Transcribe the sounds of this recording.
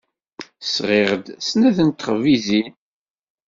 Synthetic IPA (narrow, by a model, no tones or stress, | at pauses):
sʁeʁd̪snæθənt̪ːχʁvizi